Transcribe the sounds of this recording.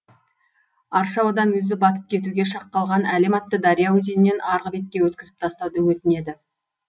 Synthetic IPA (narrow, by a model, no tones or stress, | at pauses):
ɑɾʃɑwɑd̪ɑnwɵzɪbɑt̪ə̥p̚kʲʰe̞t̪uɡʲe̞ʃɑqːɑlˠʁɑnælemɑt̪ːəd̪ɑɾijɑwɵzenɪnːe̞nʔɑɾʁəbe̞t̪̚kʲe̞wɵt̪̚kʲɪzɪp̚t̪ʰɑst̪ɑwd̪əwɵt̪ɪne̞d̪ɪ